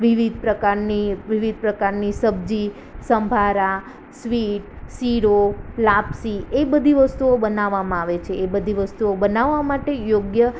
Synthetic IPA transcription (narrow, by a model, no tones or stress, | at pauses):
ʋiʋid̪̚ʱpɾəkaɾniʋiʋid̪̚ʱpɾəkaɾnisəb̚d͡ʒi | səmbʱaɾa | sʋiʈ̚ | siɾolapsiebəd̪ʱiʋəst̪uobənaʋamãaʋet͡ʃʰeːbəd̪ʱiʋəst̪uobənaʋːamaʈejoɡjə